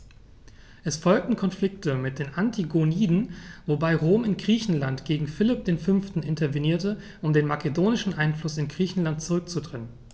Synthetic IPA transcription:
ʔɛsfɔlk̚tn̩kʰɔnflɪk̚təmɪt̚d̥eːnʔantʰiɡoniːdn̩vobaɪʁoːmɪnɡʁiːçn̩lantɡ̥eːɡŋ̩fɪlɪp̚d̥eːnfʏnftn̩ɪntɐveniːɐtə | ʔʊmdeːnmakedoːnɪʃn̩ʔaɪnflʊsɪnɡʁiːçn̩lant̚t͡suʁʏk̚t͡sudʁɛnən

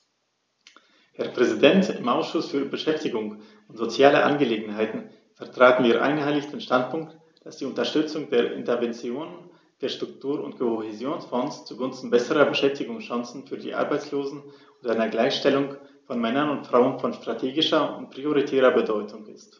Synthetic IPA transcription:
hɛɐpʁ̥ɛzidɛntɪmʔaʊsʃʊsfyːɐbəʃɛftɪɡʊŋ | ʊntz̥ot͡sjaːləʔa̰nɡəleːɡŋ̩ɦaɪtn̩ | fɛɐtʁ̥aːtn̩viːɐʔa̰ɪnɡəhaɪlɪçd̥eːnʃtant̚pʰʊŋk̚t | d̥asd̥iːʊntɐʃtʏt͡sʊŋdeːɐʔɪ̰ntəɐvɛnt͡sjoːnən | d̥eːɐʃtʁ̥ʊk̚tʰuːɐʊ̰ntkʰohezjoːnsfɔnst͡suɡʊnstn̩bɛsəʁɐbəʃɛftɪɡʊŋsʃãŋsn̩fyːɐdḭːʔa̰ɐbaɪt͡sloːzn̩ʔʊːtdaɪnɐɡlaɪçʃtɛlʊŋfɔnmɛnɐnʊntfʁ̥aʊənfɔnstʁ̥atʰeːɡɪʃɐʊntpʁ̥ioʁitʰɛːʁɐbədɔʏtʰʊŋɪst

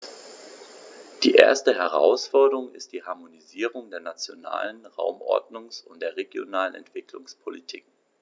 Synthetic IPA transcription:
d̥iːʔḛːɐstəɦɛʁ̞a̰ʊsfɔɐdəʁʊŋɪst̚d̥iːɦaɐmoniziːʁ̞ʊŋdeːɐnat͡sjona̰ːlənʁa̰ʊmʔɔ̰ɐdnʊŋsʊntd̥eːɐʁeɡjo̰naːlənɛ̰ntv̥ɪklʊŋspʰolitʰḭːk

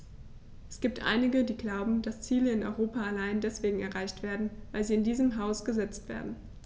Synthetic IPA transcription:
ʔɛsɡ̥iːptʔa̰ɪnɪɡədiːɡlaʊbm̩d̥ast͡siːləɪnɔ̰ʏʁoːpaalaɪndɛsv̥eːɡŋ̩ɛɐʁaɪçtv̥eːɐdn̩vaɪlziːɪndiːzəmɦaʊsɡ̥əzɛt͡stv̥ḛːɐdn̩

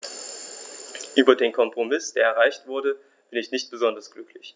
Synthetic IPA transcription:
ʔyːbɐdeːnkʰɔmpʁ̥omɪsd̥eːɐɛɐʁ̞aɪçtv̥ʊɐdə | b̥ɪnɪçnɪçt̚b̥əzɔndɐsɡ̥lʏklɪç

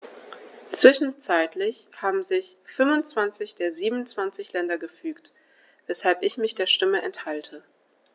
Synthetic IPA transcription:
t͡sv̥ɪʃn̩t͡saɪtʰlɪçhaːbm̩zɪçfʏmʊnt͡sv̥ant͡sɪçd̥eːɐziːbmnt͡sv̥ant͡sɪçlɛndɐɡəfyːkt | vɛshalpɪçmɪçd̥eːɐʃtɪməʔɛnthaltʰə

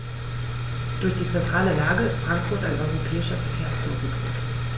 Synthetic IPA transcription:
d̥ʊɐçd̥iːt͡sɛntʁ̥aːləlaːɡəɪstfʁ̥aŋkfʊɐtaɪnʔɔʏʁopʰɛːɪʃɐfɛɐkʰeːɐsoɡ̩ɡḭːt

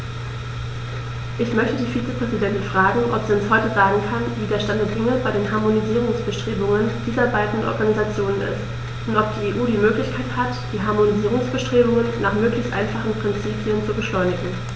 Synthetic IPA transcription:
ʔɪçmœçtədiːfiːt͡səpʁ̥ɛzidɛntɪnfʁ̥aːɡŋ̩ʔɔpz̥iːʊnshɔʏtəzaːɡŋ̩kʰanviːdeːɐʃtandədɪŋəbaɪdeːnɦaɐmoniziːʁ̞ʊŋsb̥əʃtʁ̥eːbʊŋənd̥iːzɐbaɪdn̩ʔɔ̰ɐɡanizat͡sjoːnənɪ̰st | ʔʊntʔɔp̚d̥iːeːʔuːdiːmøːklɪçkʰaɪthatd̥iːɦaɐmoniziːʁʊŋsb̥əʃtʁ̥eːbʊŋənːaːχmøːklɪçstʔa̰ɪnfaχn̩pʁ̥ɪnt͡siːpiənt͡subəʃlɔʏnɪɡŋ̩

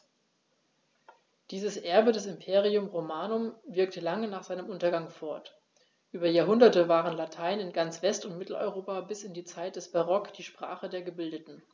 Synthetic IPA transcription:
d̥iːzəsʔɛɐbədɛsɪmpʰeːʁ̞iʊmʁomaːnʊmvɪɐktəlaŋənaːχz̥aɪnəmʔʊntɐɡaŋfɔɐt | ʔyːbɐjaːɐɦʊndɐtəvaːʁənlatʰaɪnɪnɡant͡sv̥ɛstʊntmɪtl̩ʔɔ̰ʏʁoːpabɪsɪndiːt͡saɪt̚d̥ɛsb̥aʁɔkd̥iːʃpʁ̥a̰ːχədeːɐɡəbɪldətn̩

